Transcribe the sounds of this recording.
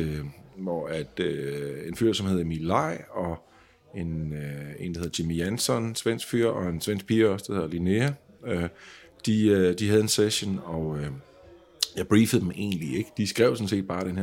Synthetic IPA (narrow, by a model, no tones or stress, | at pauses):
ʋɒæd̥øe̝nfyːɐ̰sɒmhe̝ð̞̩ˠmilɑ̈ɪ̰ɒ̽ | e̝ne̝̰nd̥ɑ̈heðˠdʰimiænsɒnsʋen̰sɡ̥fyːɐ̰ɒ̽e̝nsʋen̰sɡ̥̚pʰiɐɒ̽sd̥ahe̝ðˠɐlineæø | d̥id̥iɦæð̞ˠe̝nseɕonɒ̽ø | jɑ̈ɪb̥ʁiːfð̩ˠd̥eme̝̰ːnlie̝ɡ̥ə̥d̥isɡ̥ʁɛʊsɔ̽n̩se̝̰ːd̥̚b̥ɑ̈ːɾ̥enheɐ